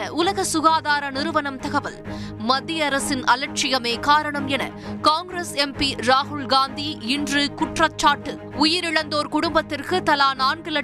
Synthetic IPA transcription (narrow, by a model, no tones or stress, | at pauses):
ɐʔʊlɐɣɐsʊɣaːðaːɾɐnɪɾɯʋɐnɐmt̪ɐɣɐʋɐlmɐd̪ːijɐɾɐsɪnʔɐlɐʈ̚t͡ʃɪjɐmeːkaːɾɐɳɐmɛnɐ̰ | kaːŋɡɾesɛmpiɾaːɦʊɭɡaːnd̪iɪndrɯkʊʈrɐt͡ʃːaːʈːɯ | ʊjɪɾɪɻɐnd̪oːɾkʊɽʊmbɐt̪ːɪrkɯt̪ɐlaːnaːnɡɐlɐ